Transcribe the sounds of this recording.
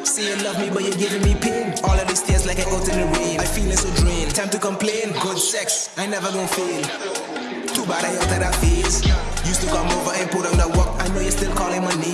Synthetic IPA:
sijɨlʌvmibʌt͡ʃjəɡɪvɪ̃ŋmipʰɪ̃ɡɔlˠʌvðistɪ̃zlaɪkaɪʔoʊtɨ̃nɨɹẽnaɪfilˠɪ̃ŋsodɹĩntʰãɪ̃mtukə̃mplẽɪ̃nɡʊdsɛks | ãɪ̃nɛvə˞ɡõnfilˠ | tubaɾaɪɔtəɾafizjustukʰʌ̃moʊvə˞ɨ̃npuɾə̃mdət̚wɔk̚aɪnoʊjəstɪlˠkʰɔlɪ̃ŋmaɪne

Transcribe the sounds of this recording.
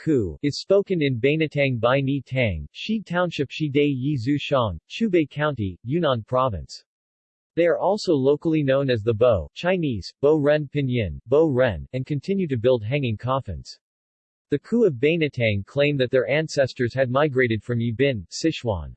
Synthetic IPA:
kʰuɨz̥spoʊkɨ̃nɨ̃nbẽɪ̃nɨtʰæ̃ŋbaɪnitʰæ̃ŋʃitʰãʊ̃nʃɨpʃideɪjizʉʃɑ̃nʃʉbeɪkʰãʊ̃ntijʉnɑ̃npʰɹ̥ɑvɨ̰̃ns | ðeɪə˞ʔɔlˠsoʊloʊkl̩ˠinõʊ̃nɨzðəboʊt͡ʃʰãɪ̃niz̥b̥oʊɹɛ̃npʰɪ̃njɪ̃nboʊɹɛ̃nɨ̃nkʰɨ̃ntʰɪ̃njʉɾɨbɪlˠd̚ɦæ̃ŋɪ̃ŋkʰɑfɨ̰̃nz̥ | ðɨkʰuʌvbẽɪ̃nɨtʰæ̃ŋkʰl̥ẽɪ̃mðɨt̪̚ðə˞ʔæ̃nsɛstə˞z̥ɨd̚maɪɡɹeɪɾɨd̥fɹʌ̃mjʉbɪ̃nsɪʃwɑ̰̃n

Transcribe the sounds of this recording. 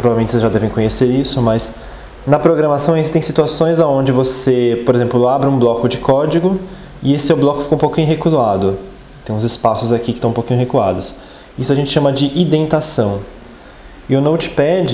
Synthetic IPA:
pɾovavemẽt͡ʃɪsezʒad̪ɛvẽj̃kõɲeseɾisʊmɐs | nɐpɾoɡɾɐmasɐ̃w̃ezist̪ẽj̃sit̪uasõj̃zaõnd͡ʒɪvosepoɾezẽmplʊabɾɪũblɔkʊd͡ʒɪkɔd͡ʒiɡʊ | ɪesɪsewblɔkʊfikõũpowkĩɲʊɦekuzad̪ʊ | t̪ẽj̃ʊ̃zɪspasʊzakikɪt̪ɐ̃w̃powkĩɲʊɦekua̰d̪ʊs | isʊaʒẽnt͡ʃɪʃɐ̃mɐd͡ʒɪʔid̪ẽnt̪asɐ̃w̃ | ewnɐ̃w̃t͡ʃɪ̥pɛd͡ʒɪ

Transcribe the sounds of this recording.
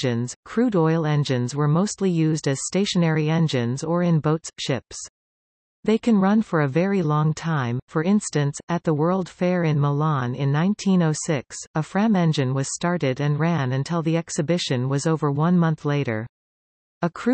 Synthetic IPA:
ɨ̃nz̥kʰɹ̥ʉɾɔɪlˠɛ̃nd͡ʒɨ̃nzwə˞moʊstˡlijʉzdɨz̥steɪʃɨnɛɹiɛ̃nd͡ʒɨ̃nzə˞ɨ̃nboʊtsʃɪps | ðeɪkʰɨ̃nɹʌ̃nfə˞ɨvɛɹilɔ̃ŋtʰãɪ̃ɱfə˞ɪ̃nstɨ̃nsɨt̪̚ðəwɜ˞lˠd̥fɛɹɪ̃nməlɑ̃nɪ̃nːãɪ̃ntʰĩnoʊsɪksəfɹæ̃mɛ̃nd͡ʒɨ̃nwʌz̥stɑɹɾɪɾɨ̃nɹæ̃nɨ̃ntʰɪlˠðiɛksɨbɪʃɨ̃nwʌzoʊvə˞wʌ̃nmʌ̃nθleɪɾə̰˞ | əkʰɹ̥ʉ

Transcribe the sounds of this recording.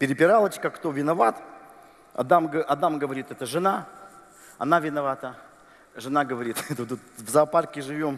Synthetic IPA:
pʲɪɾʲɪpʲɪɾalˠət͡ɕkəkt̪ovʲɪnɐvat̪ | ɐ̰d̪amɡəɐd̪amɡəvɐɾʲit̪ɛt̪əʐɨna | ɐ̰navʲɪnɐvat̪ə | ʐɨnaɡəvɐɾʲit̪ɛt̪ət̪ut̪vzaparkʲɪʐɨvʲo̞m

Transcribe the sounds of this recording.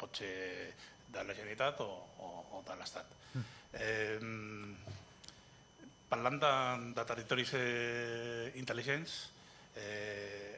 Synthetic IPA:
pot͡ʃe | d̪alaʃenit̪at̪oː | ðalast̪at̪ | paland̪and̪at̪erit̪oɾios | int̪eliʃens

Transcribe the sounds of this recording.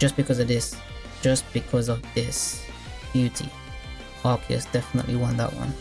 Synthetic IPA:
d̥ʒ̥ʌsb̥ɨkʰʌzʌvðɪs | d̥ʒ̥ʌsb̥ɨkʰʌzʌvðɪs | b̥jʉɾi | ɔkʰɛ̰sd̥ɛfənə̰ʔˡliwʌ̃nðə̰ʔ̚wʌ̰̃n

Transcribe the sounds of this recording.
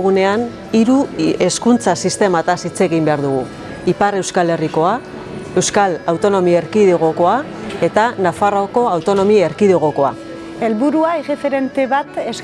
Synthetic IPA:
ɣune̞an | iɾue̞skunt͡sasist̪e̞mat̪asit͡se̞ɣimbe̞aɾðuɣ̞u | ipare̞wskale̞riko̞a | e̞wskalawt̪o̞no̞mieɾkiðeɣ̞o̞ko̞a | e̞t̪anafaroko̞awt̪o̞no̞mieɾkiðoɣ̞o̞ko̞a | e̞lβuɾuaeɣefe̞ɾe̞nt̪e̞βat̪es

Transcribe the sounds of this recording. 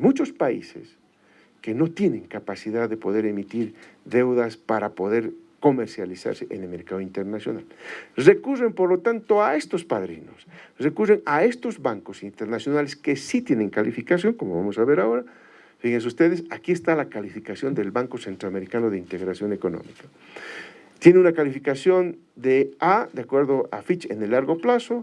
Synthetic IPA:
mut͡ʃo̞spaḭsḛs | ke̞no̞t̪je̞nẽ̞ŋkapasiðaðːe̞po̞ðe̞ɾe̞mit̪iɾðe̞wðaspaɾapo̞ðe̞ɾ | ko̞me̞ɾsjalisa̰ɾseʔḛnelme̞ɾkaðoint̪e̞ɾnasjo̞̰na̰lre̞kurempo̞ɾlo̞t̪ant̪oae̞st̪o̞spaðɾḭno̰srekureŋae̞st̪ozβaŋkosint̪eɾnasjo̞naleskesit̪jene̞ŋkalifikasjo̞ŋkomoβa̰mosaβe̞ɾao̞ɾa | fiɣens̬ust̪e̞ðesakie̞st̪alakalifikasjo̞nd̪e̞lβaŋko̞se̞nt̪ɾoame̞ɾikanoðeint̪e̞ɣɾasjo̞ne̞ko̞no̰mika | t̪jeneunakalifikasjo̞n | d̪ead̪eakwe̞ɾðoʔafit͡ʃḛnelːaɾɣo̞plaso

